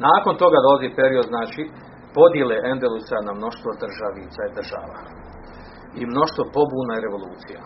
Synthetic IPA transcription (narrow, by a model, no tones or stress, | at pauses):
naːko̞nt̪o̞ɡad̪o̞lazipe̞ɾio̞d̪znaːt͡ʃi | po̞d̪jeleʔend̪elusanamno̞ʃt̪ʋo̞d̪r̩ʒaʋit̪said̪r̩ʒa̰ːʋa̰ | imno̞ʃt̪ʋo̞po̞buːnajɾe̞ʋo̞lˠuːt̪sija̰